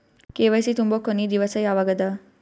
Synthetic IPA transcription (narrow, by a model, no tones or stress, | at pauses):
keːʋɐjsit̪umbokonid̪iʋɐsɐjaːʋɐɡɐd̪ɐ